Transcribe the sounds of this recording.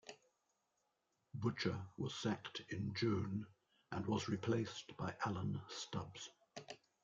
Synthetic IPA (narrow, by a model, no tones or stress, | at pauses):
bʊt͡ʃəwɒz̥sæktʰɪ̃nd͡ʒʉ̃ːn | ʔə̃nwɒzɹɪpʰl̥eɪsb̥aɪʔælə̃nstʌbz̥